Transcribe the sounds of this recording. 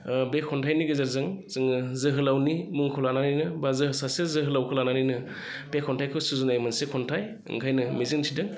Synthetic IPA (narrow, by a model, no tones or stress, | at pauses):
bekʰɔntʰajniɡɯzaɾzɯŋzɯŋɯzɯɦɯlawnimuŋkʰɔlananijnɯbazɯɦɯsasezɯɦɯlawkʰɯlananɯjnɯ | b̥ekʰːɔntʰajkʰɯwsuzunajmɯnsekʰɔntʰaj | ɯ̰ŋkʰajnɯmezɯŋtʰidɯŋ